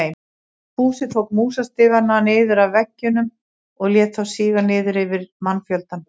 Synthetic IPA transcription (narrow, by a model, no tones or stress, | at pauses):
jm | puːsɪθʰowkmuːsast̪ɪːɣananɪːðʏɾavvɛcːʏnʏm | ɔɣljɛːt̪θawsiːɣanɪːðʏɾɪvɪɾmanːfjœlt̪an